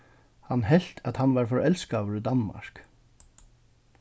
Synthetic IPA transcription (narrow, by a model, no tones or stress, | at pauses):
hanɦɛl̥t̪ʰat̪hanvaɾfɔɾɛlskaːvəɾid̪anma̰ɹ̥k